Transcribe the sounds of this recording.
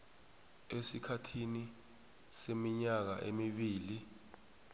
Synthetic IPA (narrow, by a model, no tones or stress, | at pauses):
esikʰatʰini | semiɲak̬a̰ʔemiɓiːli